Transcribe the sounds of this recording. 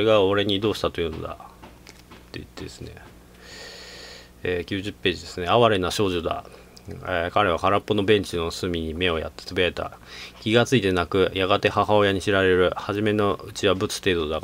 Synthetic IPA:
oeɡaoɾe̞ɲ̟iːd̪o̞ːɕi̥t̪at̪o̞jɯ̟no̞̰d̪a̰ | t̪ːe̞ḭt̪ːe̞d̪e̞sɨ̥ne̞̰ | eːkʲɨːʑɨpːe̞ːʑid̪e̞sɨne̞aβaɾe̞naɕo̞ːʑod̪a̰ | ekaɾe̞β̞akaɾapːo̞no̞bẽ̞ɲ̟t͡ɕino̞sɨmʲiɲ̟ime̞o̞ja̰t̪ːe̥t͡sobeet̪a̰kʲiɡat͡sɨit̪e̞nakɯ̟jaɡat̪e̞haɦao̞jaɲ̟iɕiɾaɾe̞ɾɯ̟haʑime̞no̞ɯ̟t͡ɕiβabɯ̟t͡sɨ̥t̪e̞ːd̪od̪ak

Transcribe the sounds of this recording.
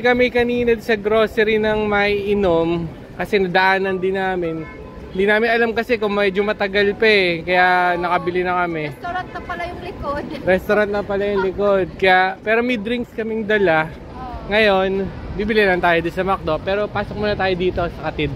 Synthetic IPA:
kɐmɛkɐniːnɐd̪sɐɡɾo̞ːsɛɾɪnɐŋmɐiʔɪnom | kɐsɛnɐd̪ɐʔaːnɐnd̪ɪnːaːmɪn | ɪnd̪inaːmɪnʔɐlamkɐsɛkoŋmɛd͡ʒomɐt̪ɐɡɐlpɛkɐjaʔnɐkɐbɪlɪnɐkɐmɛɾant̪nɐpɐlɐjʊŋlɪkod̪ɾɛst̪oɾant̪̚nɐpɐlajʊŋlɪko̞d̪̚kɐjaʔpɛːɾo̞mɐjd̪ɾiŋkskɐmɪŋd̪ɐla | ŋɐjo̞n | biːbɪlɪnamnt̪aːjod̪ʊnsɐmɐk̚d̪oʔpɛːɾo̞paːsok̚monɐt̪aːjod̪iːt̪o̞sɐkɐt̪ɪd̪

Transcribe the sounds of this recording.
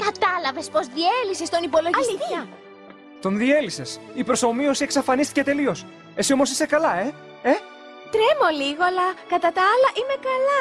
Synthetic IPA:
kɐt̪ɐlɐve̞spo̞zðielisest̪o̞nipo̞lo̞ʝɐisiçɐ | t̪o̞nðie̞lise̞sipɾo̞so̞mio̞sie̞ksɐfɐnist̪i̥ce̞t̪e̞lio̞s | e̞sio̞mo̞sise̞kɐlɐe̞ | e | t̪ɾemo̞liɣo̞lɐkɐt̪ɐt̪ɐɐlɐʔime̞kɐlɐ

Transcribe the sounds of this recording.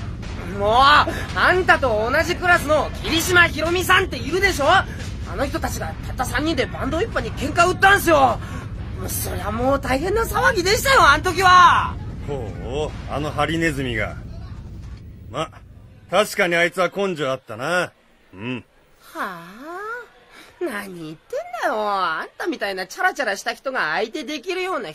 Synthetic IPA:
moː | ãnt̪at̪o̞ːnaʑikɯ̟ɾasɨno̞kʲʰiɾʲiɕimaçiɾo̞mʲis̬ãnt̪e̞iɾɯ̟d̪e̞ɕo̞ː | a̰no̞çi̥t̪o̞t̪at͡ɕiɡat̪at̪ːasãɲ̟ːĩnd̪e̞bãnd̪o̞ipːaɲ̟ikẽ̞ŋkaɯ̟t̪ːãñs̬ɨjo̞ | mso̞̰ɾe̞βamoːt̪aiɦẽ̞nːasaβaɡʲid̪e̞ɕi̥t̪ajo̞ãnot̪o̞k̬ʲiβahoːa̰no̞ɦaɾʲine̞zɨmʲiɡa̰ | mat̪aɕi̥kaɲ̟iait͡sɨβakõ̞ɲd͡ʑoat̪ːana | ɯ̃ɴ | ha | naɲ̟iːt̪ːẽ̞nd̪ajo̞ãnt̪amʲit̪ainat͡ɕaɾat͡ɕaɾaɕi̥t̪açi̥t̪o̞ɡaːit̪e̞d̪e̞kʲiɾɯ̟jo̞ːna

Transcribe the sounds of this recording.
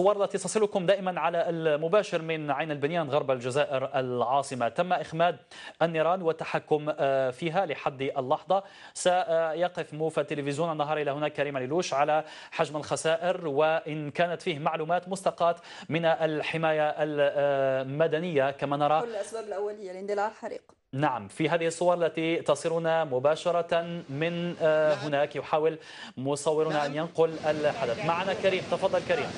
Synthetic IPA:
sˤʊwːɑɾˤlːæt̪it̪ːɑsˤɪlʊkʊmd̪æːʔɪmanʕalalmʊbæːʃɪɾmɪnʕajnalbɪnjaːnɣɑɾˤbalʒazaːʔɪɾalʕɑːsˤɨmat̪amːaʔɪxmæːd̪̚ʔanːiɾˤɑːnwɪt̪ːaħakːʊmfiːɦalɪħad̪ːʔalːɑħd̪ˤɑ | sajɑqəfmufit̪ːɪlɪfɪzjuːnanːɑɦɑːɾˤʔɪlæhʊnæːkːaɾiːmalɪluːʃʕala | ħaʒmalxasaːʔɪɾwɪʔɪnkaːnat̪fiːhmaʕluːmaːt̪mʊst̪ɑqɑːt̪ | mɪnaʔlħɪmaːjaʔl | mad̪anɪjːakamanɑɾˤɑʔasbaːbɪlʔawːalɪjːand̪lalħaɾḭːq | naʕamfiɦaːðɪhɪsˤːʊwɑɾˤʔalːat̪it̪ɑsˤiɾʊnamʊbaːʃɑɾˤɑmɪnɦʊnaːkjʊħaːwɪl | mʊsˤɑwːɪɾʊnaʔanjanqʊlʔɪlħad̪aθmaʕanakaɾiːmt̪ɑfɑd̪ˤːɑlkaɾiːm

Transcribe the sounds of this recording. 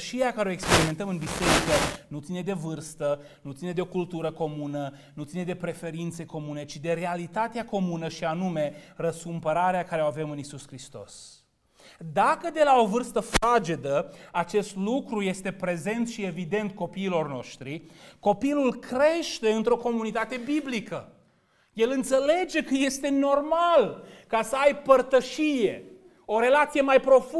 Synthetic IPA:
ʃieakaɾeoekspe̞ɾime̞nt̪əmɨnbise̞ɾikənut̪sine̞d̪e̞vɨrst̪ə | nut̪sine̞d̪eo̞kult̪uɾəko̞munə | nut̪sine̞d̪e̞pɾe̞fe̞ɾint̪se̞ko̞mune̞t͡ʃid̪e̞ɾe̞alit̪at̪eako̞munəʃianume̞rəskumpəɾaɾeakaɾe̞oave̞mɨnisuskɾist̪o̞̰s | d̪akəd̪e̞lao̞vɨrst̪əfad͡ʒe̞d̪əat͡ʃe̞st̪lukɾuje̞st̪e̞pɾe̞ze̞nt̪ʃie̞vid̪e̞nt̪̚ko̞piːlo̞rno̞̰ʃt̪ɾiko̞pilulkɾe̞ʃt̪e̞ɨnt̪ɾo̞ko̞munit̪at̪e̞biblikə | je̞lɨnt̪se̞le̞d͡ʒe̞kəje̞st̪e̞no̞rmalkasəajpərt̪əʃije̞ | o̞ɾe̞lat̪sije̞majpɾo̞fu

